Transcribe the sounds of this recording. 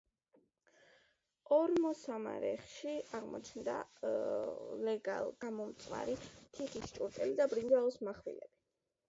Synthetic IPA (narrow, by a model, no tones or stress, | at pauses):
ɔɾmɔsama̰ɾɛ̰χʃiaʁmɔ̰t͡ʃʰnd̪a̰ | lɛɡa̰lˠɡ̥amɔmt̪sʼwa̰ɾit̪ʰiχist͡ʃʼuɾt̪ʼɛlid̪abɾind̪alˠɔsmaχwḭlɛb̥i